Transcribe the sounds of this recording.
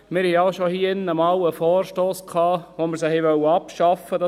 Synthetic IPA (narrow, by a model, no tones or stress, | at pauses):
mɪɾhɛɑʊʃohiːəɪnəmɑwəfoːrʃtoːskʰɑːʋoməɾs̬əhɛʋœwɑpʃɑfədɑ